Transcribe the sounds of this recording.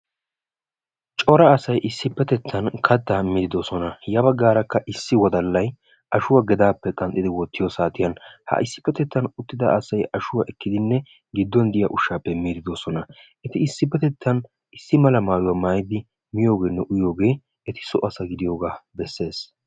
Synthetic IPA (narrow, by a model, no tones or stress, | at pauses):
t͡ʃʼɔɾɐːsɐjʔɪsːɪpːɛt̪ɛt̪ʰːɐnkʰɐd̪ːamɪd̪ɪd̪osɔnɐjɐbɐɡːaːɾɐkːɐʔɪsːɪwɔd̪ɐlːɐj | ɐʃʊwaːɡɛd̪aːpːɛkʼɐnt̪ʼːɪd̪ɪwɔt̪ːɪjɔsaːt̪ɪjɐnhɐ̰ʔɪsːɪ̥pːɛt̪ɛt̪ːɐnʊt̪ːɪd̪ɐ̰ʔɐsɐjɐʃʊwaʔɛkːɪd̪ɪnːɛ | ɡɪd̪ːɔnd̪ɪjɐ̰ʔʊʃːaːpːɛmɪd̪ɪd̪osɔnɐ | ɛt̪ɪɪsːɪpːɛt̪ɛt̪ʰːɐn | ɪsːɪmɐlɐmaːjʊwɐmaːjɪd̪ɪ | mɪjo̞ːɡe̞ːnːɛʔʊjo̞ːɡe̞ː | ɛt̪ɪ̥sɔ̰ʔɐsɐɡɪd̪ɪjo̞ːɡaːbɛsːe̞ːs